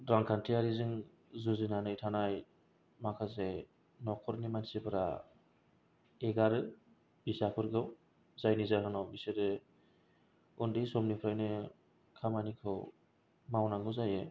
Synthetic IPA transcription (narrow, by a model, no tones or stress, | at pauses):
dɾaŋkʰantʰiaɾizɯŋ | zuzinanɯjtʰanaj | makʰase | nɔkʰɔɾnimansipʰɯɾa̰ | eɡaɾɯ | bisakʰɯɾɡɯw | zajnizakʰɯnɔwbisɯɾɯ | undɯjsɔmnipʰɾajnɯ | kʰamanikʰɯw | mawnaŋɡɯwzajɯ